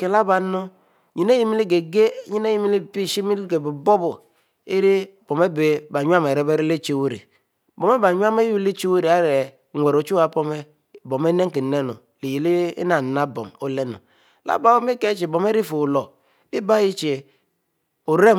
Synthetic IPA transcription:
ke˨la˦ba˨˦no˦ | ɲi˨ne˦ji˦mi˦li˦ɡe˨ɡe˦ɲi˦ne˦ji˦mi˦li˦˨pi˦˨ʃi˦mi˦lɡe˨bu˨bo˦bu˨ | e˦ɾi˦ | b̥o˨me˦be˨ba˨ɲʷ˦a˦me˨ɾe˦be˦ɾi˦le˦t͡ʃe˦˨wu˦ɾḭ˨ | bo˨me˦ba˨ɲʷ˦a˦me˦ju˦le˦t͡ʃi˦wu˦ɾi˨a˦ɾe˨ | ŋʷ˨e˨ɾo˨˦t͡ʃu˦a˨po˦me˦ | bo˨me˦ne˦ŋ˦ki˨ne˦nṵ˨ | li˨ji˨li˦ḭ˦na˨na˦bo̰˨mo˨le˦nṵ˨ | la̰˦ba˦me˦ke˦t͡ʃi˨bo˨me˦ɾi˦fu˨lo˨ | i˦ba˦ji˦t͡ʃe˨ | o˨ɾe˦

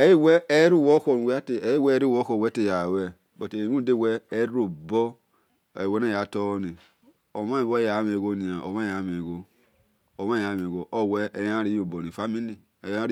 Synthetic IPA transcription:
e˨˦ji˦wɛ˦e˦ɾu˦˨wo˦ko˦˨n˨wte˨e˦ji˦wɛ˦ɾi˦wo˦ko˦˨wɛ˦te˦˨ja˨wɛ˨ | bo˨te˨˦u˦de˦˨wɛː˦ɾo˨bɔ̰˦˨ | we˨˦ne˦˨ja˨˦to˦ni˨ | o˨ma˦i˨wo˦ja˨˦me˨ɡo˦ni˨a˨o̰˨ma˦ja˨˦me˨ɡo˦ | o˨ma˦ja˨˦me˨ɡo˨ʔo˦˨wɛ˦e˨ja˦ɾi˦jo˨bo˨ni˨fa˦mi˦li˦˨ | e˨ja˦ɾ

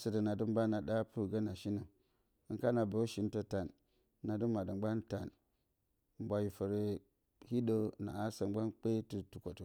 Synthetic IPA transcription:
sə˨də˨na˨du˦m˦ba˦na˨da˦pu˦˨ɡa˦na˨ʃi˦nə˨ | i˨ŋka˦na˨bə˨˦ʃi˨˦n˦tə˦ta˨n˨˦ | na˨du˦ma˨də˨mɡ͡ba˦nta˨n˨ | m˦bʷa˨ji˨fə˨ɾe˨ | hi˦do˦˨na̰˨a˦sə˨mɡ͡ba˦nk͡pe˦ti˨tu˨ko˨to˨

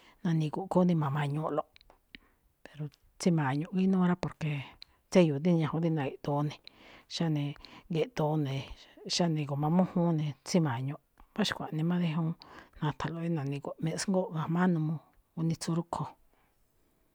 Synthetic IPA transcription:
nã˧nĩ˧ku˨ʔko˦nĩ˧mã˨mã˧ɲũ˧ʔlo˧˨ʔ | pe˨ɾo˨ | t͡si˦mã˨ɲũ˧ki˦nũː˦ɾa˦po˨ɾke˨ | t͡se˦ju˨t̪i˦ɲã˧˨õ˧˦d̪i˦˧nã˨e˨ʔt̪o˧nĩ˧ʃa˦nĩ˧ŋɡe˧ʔt̪o˧˦nẽ˨˧ʃa˦nĩ˧ko˨mã˧mũ˦hũ˦nĩ˧t͡si˦mã˨ɲõ˧˨ʔβa˦ʃi̥˧kʷa˨ʔnĩ˧mã˦ðe˧ɦũ˧˦nã˧t̪ʰa˨lo˧i˦nã˨nĩ˧kʷa˧˨mẽ˧ʔsŋɡo˦ʔɣã˧mã˦nũ˧mõ˧ | u˧nĩ˧t͡su˧ɾu˦kʰo˧

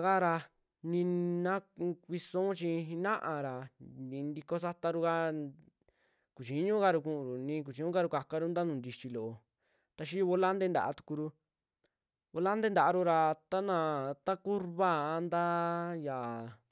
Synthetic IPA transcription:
ɣa˦ɾa˧ | nĩ˧nã˦kʷi˧sõ˦t͡ʃĩ˧i˧nã˦ʔã˧ɾa˨d̪ĩ˧nd̪i˧ko˧sa˦t̪a˧ɾu˧ka˦ | ku˨t͡ʃi˨˦ɲũ˦ka˧ɾu˧kũ˧ʔũ˨ɾu˨nĩ˧k̬u˨t͡ʃi˧ɲũ˦ka˧ɾu˧ka˧ka˧ɾu˦nd̪a˦nũː˨nd̪i˧t͡ʃi˧lo˨o˧ | t̪a˧ʃ̬i˦u˧βo˧˦la˦nd̪e˦nd̪a̰˨ʔa˧t̪u̥˧ku˧ɾu˧ | βo˧la˦nd̪e˦nd̪a˨˧ɾu˧ɾa˧t̪a˦nã˧t̪a˦ku˦ɾβa˦˨a˧nd̪a˦ja˨

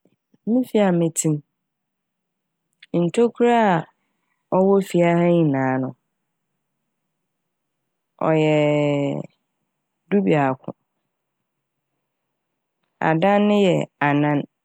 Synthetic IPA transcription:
mĩ˦fi˨˦a˨mɪ̃˨tʰĩ˦m˦ | n̩˨tʰo˦kʰu˦ɾa˦˨ | ɔ˦wɔ˦fi˨a˦ha˦ɲĩ˨nãː˨˦nʊ̃˨ | ɔ̰˨jɛ˨ | du˦bi˨a˨kʷʰʊ̰̃˨ | a̰˨dã˦nːɪ̃˦jɛ˨a˨nã˦n

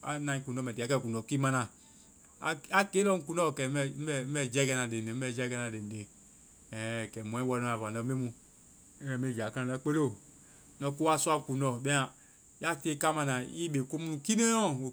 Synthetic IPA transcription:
a̰˨˦nã˦ĩ˦ku˨nɔ˦˨mɛ˨te˨˦kɛ˦˨ku˨nɔ˨ki˦ma˦nã̰˨ | a˦ke˦lɔ˦ku˨nɔ˦˨kɛ˨˦ɛ˦˨m̩˦ɛ˦˨m̩˦ɛ˦d͡ʒɛ˦ɡɛ˦nã˨de˨e˨m̩˦ɛ˦˨d͡ʒɛ˦ɡɛ˦na˨de˨de˨ | ɛ˨kɛ˨mɔ̃˨ɛ̃˦wɔ˦nɔ˦a˨va˨nɔ˨˦me˦mũ˦ | ɛ˨me˦˨d͡ʒa˨ka˦a˨na˦k͡pe˦lo˦˨˦ | nɔ˦ku˦a˦su˦a˦ku˨nɔ˦˨bɛ˦a˨ | ja˦te˦ka˦ma˨nã˨i˦be˨ko˦mu˦u˦ki˦ne˦ɔ̃˦o˨

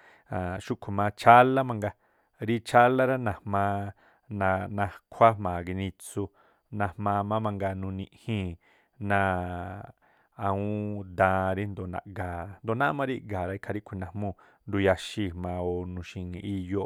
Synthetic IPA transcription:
ã˨ʃu˦kʷʰu˨mã˧t͡ʃʰa˦la˦mã˧ŋɡa˧ | ɾi˦t͡ʃʰa˦la˦ɾa˦nã˧˨mãː˧ | nã˧nã˧kʷʰa˦mã˨ɡi˧nĩ˧t͡su˧ | nã˧mã˧mã˦mã˧ŋɡa˧nũ˧nĩ˧hĩ˦˨ | nã˧ | a˧ũ˦d̪ã˧ɾi˦nd̪o˨nã̰˨ɡaː˨nd̪o˨nã˦mã˧ɾi˦˧ɡa˨ɾa˧i˦kʰa˧ɾi˦kʷʰi˨nã˧˨mõ˧ | nd̪u˧ja˧ʃi˧˨mã˨˧˨o˨nũ˧ʃĩ˧ŋĩ˧ʔi˧jo˧

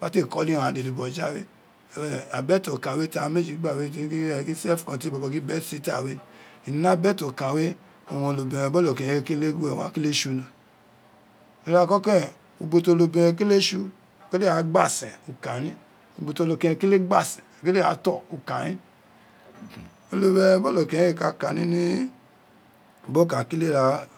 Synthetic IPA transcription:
ba˨˦te˦˨kɔ˦li˦˨ɾã˨de˨lu˨bɔ˨d͡ʒa˦wḛ˦˨˦ | a˨bɛ˦to˨kã˨we˦ta˦me˦d͡ʒi˨i˦ɡ͡ba˦˨we˦ki˦˨ki˦sɛ˦fkɔ̃˧˨ti˦bɔ˨bɔ˧ki˦bɛ˦tsi˦ta˦˨we˦i˨n˦na˦bɛ˦to˨ka˨we˦ | o˨wɔ̃˧˨lo˨bĩ˨ɾɛ̃˨bɔ˦lo˨kẽ˧˨˧ke˦le˦e˦˨wã̰˨˦ke˦le˦ʃu˧nã˨ | e˨˧ɾa˧kɔ˦kɛ˦˨ | u˧bo˧to˧lo˧be˧ɾɛ˧ke˦le˦ʃu˧˨ | ke˦le˦a˨˦ɡ͡ba˦˨sɛ̃˨u˧ka˨nĩ˦ | u˧bo˧to˧lo˧kɛ̃˧ki˦le˦ɡ͡ba˦˨sɛ̃˨ke˦le˦a˨˦tɔ˦˨u˧ka˨nĩ˦ | o˧lo˧be˧ɛ˧˦bɔ˦lo˨kɛ̃˨˦e˦˨ka˧ka˨nĩ˦nĩ˦˨ | bo˦ka˨ki˦le˦ɾa˧

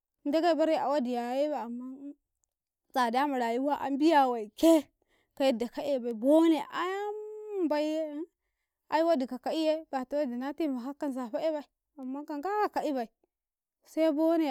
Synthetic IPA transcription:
da˦ɡa˦i˨ba˦ɾi˦a̰˨wa˦di˨ja˨˦je˦ba˨a˨mːa˦ | t͡sa˨da˦ma˨ɾa˨ji˦wa˦ʔa̰˦m˦bi˦ja˨wa˨i˨ke˦ | ka˨ji˦da˨ka˦ʔe˦˨ba˨i˨bo˦ne˨ʔa˦a˦ba˨i˦je˦ | a̰˨ji˦wa˦di˨ka˨ka˨i˦je˦b̥a˨ta˦wa˦di˨na˦ti˦˨ma˨ka˦kːa˦nza˨ɸa˦e˦ba˨i˨ | a˨mːa˦ka˨ŋɡa˦ka˨ka˨i˦ba˨i˨ | sa˦bo˦ne˨

